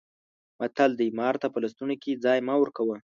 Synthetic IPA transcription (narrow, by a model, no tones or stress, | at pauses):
mat̪ald̪əjmɑɾt̪apəlast̪unoked͡zɑjmɑwəɾkawə